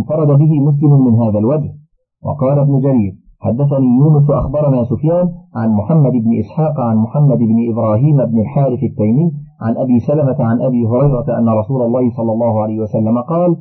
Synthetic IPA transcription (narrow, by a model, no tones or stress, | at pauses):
nfɑɾˤɑd̪abɪɦɪmʊs̬lɪmʊnmɪnɦaːðalwad͡ʒh | wɑ̰qɑːlabnʊd͡ʒaɾiːɾ | ħad̪ːaθaniːjuːnʊs̬ʔa̰xbɑɾˤɑnaːsʊfjaːnʕanmʊħamːad̪ɪbnɪʔɪsħɑːqʕanmʊħamːad̪ɪbnɪʔɪbɾˤɑːɦiːmɪbnɪlħaːɾɪfat̪ːajmɪjː | ʕa̰nʔabiːsalamat̪aʕanʔabiːɦʊɾɑjɾˤɑt̪aʔanːaɾˤɑsuːlɑlˤːɑːhɪsˤɑlːɑlˤːɑːhʊʕalajhɪwasalːamaqɑːl